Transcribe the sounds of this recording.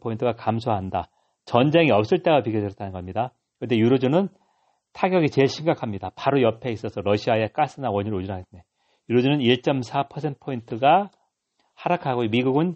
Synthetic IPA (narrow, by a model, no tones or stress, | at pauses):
pʰointʰɯɡakamsʰoɦanda | t͡ɕʌnd͡ʑe̞ŋiʌp̚s͈ɯɭt͈eɡapikʰʌd͡ʑɯɾʌt͈anɯnɡʌmɲida | kɯnde̞juɾod͡ʑunɯn | tʰaɡjʌɡit͡ɕe̞ɭɕʰimɡakʰamɲidapaɾojʌpʰe̞is͈ʌsʰʌɾʌɕʰiaek͈as͈ɯnawʌɲʌɾod͡ʑunɦaɡet̚ne̞ | juɾod͡ʑunɯniɭt͡ɕ͈ʌmsʰapʰʌsʰe̞nt̚ʰpʰointʰɯɡa | haɾakʰaɡomiɡuɡɯn